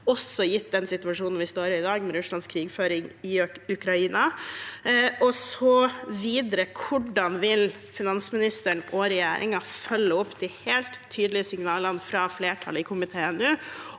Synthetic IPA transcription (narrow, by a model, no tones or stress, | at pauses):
ɔsːɔjɪt̪ːd̪ɛnsɪt̪ʉɑʂuːnn̩ʋɪst̪oːɾəɾɪd̪ɑːɡmɛɾʉʂɭɑnskʰɾiːɡføːɾɪŋɪʉkʰɾɑiːnɑ | ʔɔsɔʋiːd̪ɾəkʰʊɖɑnʋɪl | fɪnɑnsmɪnɪst̪əɳɔɾɛjæ̰ːɾʔɪ̰ŋɑfœlːəɔpːd̪ɪheːlt̪ʰːyːd̪əlɪəsɪŋnɑːlənfɾɑfleːʈʰɑ̰ləɪkʰʊmɪt̪ʰeːɛnʉː